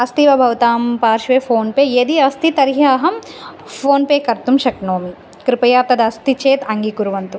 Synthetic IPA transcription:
ɐst̪iʋɐbʱɐʋt̪aːmpaːɾʃʋeːfʰoːnpeːjeːd̪iɐst̪it̪ɐɾɦɐɐɦɐm | pʰoːnpeːkɐɾt̪umʃɐknoːmi | kɾipɐjaːp̚t̪ɐd̪ɐst̪it͡ʃeːt̪ɐŋɡikuɾuʋɐnt̪u

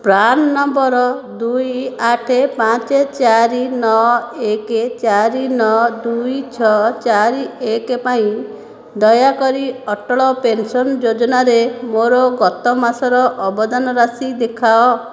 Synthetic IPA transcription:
pɾanːɔmbɔɾɔd̪ujaʈʰepãt͡ʃet͡ʃaɾinɔeket͡ʃaɾinɔd̪ujt͡ʃʰɔt͡ʃaɾiekepaĩ | d̪ɔjakɔɾiɔʈɔɭɔpensɔnd͡ʒod͡ʒɔnaɾemoɾɔɡɔt̪ɔmasɔɾɔʔɔbɔd̪anɔɾasid̪ekʰaɔ

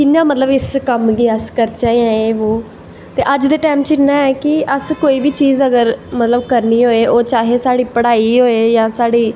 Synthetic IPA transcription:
kɪnãːmət̪ləbɪskəmɡiːəskəɾt͡ʃaːiãːeːʋoː | t̪eːʔəd͡ʒd̪eːʈaːmt͡ʃɪnãːɛːkɪəskoːiːbiːt͡ʃiːzəɡəɾmət̪ləbkəɾniːɦoːeːʔoːt͡ʃaːɦeːsaːɽiːpəɽaːiːɦoːeːjãːsaːɖiː

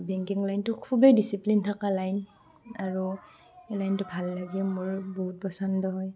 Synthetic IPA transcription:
bɛŋkiŋlajntʊkʰubɛdisiplintʰakalajn | aɹu | lajntʊbʱalːaɡiɛmʊɹbɔɦut̚pɔsɔndɔɦɔj

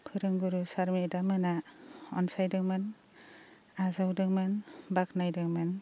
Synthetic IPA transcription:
pʰɯɾɯŋɡuɾusaɾmidamanaɔnsajdɯŋman | azawdɯŋmanbak̚najdɯŋman

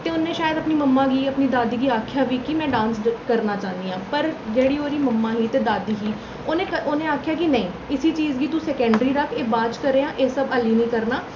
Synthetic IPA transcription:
t̪eːʊnːẽːʃaːjəd̪əpniːməmːãːɡiːəpniːd̪aːd̪iːɡiːaːkʰjaːʋiːkimɛ̃ːɖãːnskəɾnaːt͡ʃaːnd̪iːãːpəɾd͡ʒeːɽiːoːɾiːməmːaːɦiːt̪eːd̪aːd̪iːɦiː | oːnẽːkəonẽːaːkʰjaːk̬ɪnəĩː | ɪsiːt͡ʃiːzɡiːt̪ũsɛːkɛ̃ːɳɖɾiːɾəkʰeːbaːt͡ʃkəɾeːãːʔeːsəbəliːnĩːkəɾnaː

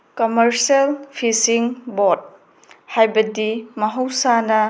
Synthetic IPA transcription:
komɐɾsɐlpʰisiŋbod̚ | hajbɐdimɐɦɐwsanɐ

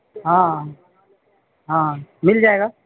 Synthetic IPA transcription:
ɦãː | ɦãːmɪld͡ʒaːeɡaː

